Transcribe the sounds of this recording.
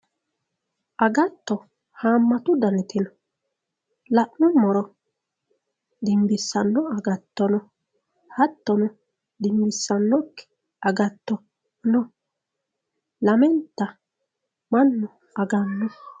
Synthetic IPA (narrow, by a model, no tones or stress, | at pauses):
ʔɐɡɐt̪ːɔ | haːmːɐt̪ʊd̪ɐnɪt̪ɪnɔ | lɐʔnʊmɔɾɔ | d̪ɪmbɪsːɐnːɔɐɡɐt̪ːɔnɔ | hɐt̪ːɔnɔ | d̪ɪmbɪsːɐnːɔkːɛ̥ | ɐɡɐt̪ːɔ | nɔ | lɐmɛnt̪ːɐ | mɐnːʊ | ɐɡɐnːɔ